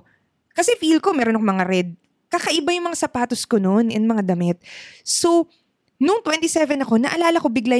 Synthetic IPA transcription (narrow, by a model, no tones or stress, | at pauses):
kɐsɛfilko̞mɛːɾonɐkmɐŋaɾɛd̪̚ | kakɐʔɪbajʊŋmɐŋasɐpaːt̪oskonoʔnɛnmɐŋad̪ɐmɪt̪̚so̞ | nʊŋt̪wɛnt̪isɛvɛnɐko̞nɐʔɐlaːlɐko̞bɪɡla